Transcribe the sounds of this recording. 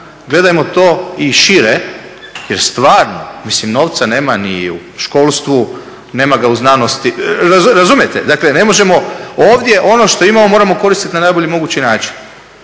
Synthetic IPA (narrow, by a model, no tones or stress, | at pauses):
ɡle̞d̪ajemo̞t̪o̞ːiʃiɾe | jeɾst̪ʋaːɾno̞̰mislimno̞ʋt̪sane̞ːmanḭu | ʃko̞ːlˠst̪ʋu | ne̞ːmaɡauznanost̪iɾaɾazumjet̪ḛd̪akle̞ne̞mo̞ʒe̞mo̞oːʋd̪je̞ʔo̞no̞ʃt̪o̞imamo̞mo̞ɾamo̞ko̞ɾist̪it̪nanajbo̞ʎimo̞ɡuːt͡ɕinaːt͡ʃi̥n